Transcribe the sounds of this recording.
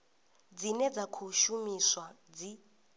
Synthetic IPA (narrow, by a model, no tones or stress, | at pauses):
d͡zinɛd͡zakʰuʃumiswa | d͡zi